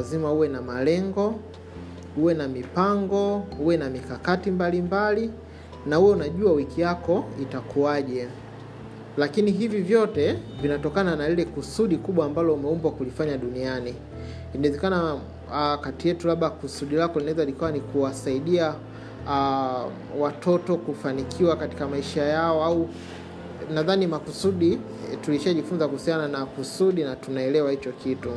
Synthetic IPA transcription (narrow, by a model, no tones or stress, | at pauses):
zimauwɛnamalɛŋɡɔ | uwɛnamipaŋɡɔhuwɛnamikakatimbalimbali | nahujɛunaʄuawikijakɔitakuaʄɛ | lakiniɦivivjɔtɛvinatɔkananalilɛkusuɗikuɓwaːmbalɔumɛumbwakulifaɲaɗunianiː | naɛzɛkana | katijɛtulaɓakusuɗilakɔlinaɛzalikawanikuwasaiɗia | watʰɔtɔkufanikʰiwakati̥kamaiʃajaɔau | naðanimakusuɗi | tuliʃaʄifunzakuhusiananakusuɗinatunaɛlɛwahit͡ʃɔkʰitu